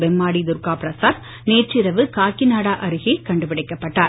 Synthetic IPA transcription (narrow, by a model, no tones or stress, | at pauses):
bɛmːaːɽid̪ʊɾkaːpɾɐsaːɾ | neːʈt͡ʃːɪɾɐʋɯkaːkːinaːɽaːʔɐɾɯɣɐkɐɳɖɯpɪɽɐɪkːɐpːɐʈːaːɾ